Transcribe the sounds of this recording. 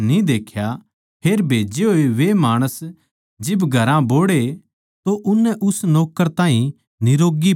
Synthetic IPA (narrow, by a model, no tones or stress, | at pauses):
nĩd̪eːkʰja | pʰeːɾbʱeːd͡ʒeɦoːeʋemaːɽ̃əs | d͡ʒɪbɡʱɐɾãboːɽe | t̪oʔʊnːɛʔʊsnɔːkəɾt̪ãːɦĩ | nɪɾoːɡi